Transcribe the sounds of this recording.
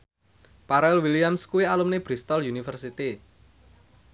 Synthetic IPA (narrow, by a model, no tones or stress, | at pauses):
paɾɛlwilijamskuwialumneb̥ɾist̪ɔljunifərsit̪i